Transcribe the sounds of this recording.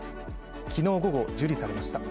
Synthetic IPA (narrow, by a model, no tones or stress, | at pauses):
sɨ̥ | kʲino̞ːɡo̞ɡo̞d͡ʑɨɾʲisaɾe̞maɕi̥t̪a